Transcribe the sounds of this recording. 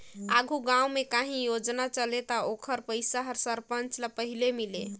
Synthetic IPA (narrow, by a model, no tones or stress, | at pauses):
aɡʱuɡãumekaɦĩjod͡ʒnat͡ʃəlet̪əokʰəɾpəjsaɦəɾsəɾpənt͡ʃlapəɦilemilḛ